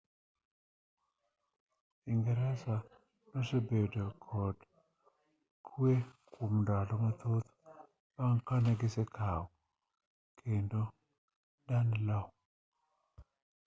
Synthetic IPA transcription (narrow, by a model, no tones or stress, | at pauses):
iŋɡɛɾɛsa | nɔsebedokʰɔd | kʰwekʰumndalɔmat̪ot̪ | baŋkanaɡɪsɛkʰawɔ | kʰendo | danlɔ